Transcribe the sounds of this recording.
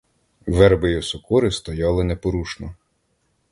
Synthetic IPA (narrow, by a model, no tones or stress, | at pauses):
ʋɛɾbɪjɔsʊkuɾɪst̪ɔjɑlˠɪnepɔɾuʃnɔ